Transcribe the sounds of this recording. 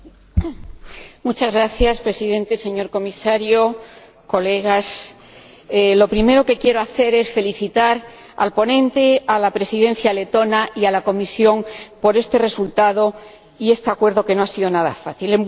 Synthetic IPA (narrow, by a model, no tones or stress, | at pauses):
mut͡ʃazɣɾaθjaspɾe̞siðẽ̞nt̪e̞se̞ɲo̞ɾko̞misaɾjo | ko̞le̞ɣ̞as | lo̞pɾime̞ɾo̞ke̞kje̞ɾo̞aθe̞ɾe̞sfe̞liθit̪aɾ | a̰lpo̞nẽ̞nt̪e̞alapɾe̞siðe̞n̟θjale̞t̪o̞naʔialako̞misjo̞ŋpo̞ɾe̞st̪e̞re̞sult̪aðo̞ | ie̞st̪eakwe̞ɾðo̞ke̞no̞asiðo̞naða̰faθilem